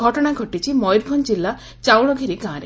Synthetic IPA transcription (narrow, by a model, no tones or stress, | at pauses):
ɔʈɔɽ̃aɡʱɔʈit͡ʃʰimɔjɾbʱɔnd͡ʒilːa | t͡ʃawɭɔɡʱiɾikãːɾe